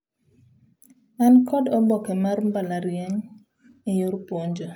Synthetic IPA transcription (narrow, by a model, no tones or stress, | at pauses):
ankʰɔdɔbɔkɛmarmbalaɾjeŋ | ijʊɾpwoɲd͡ʒo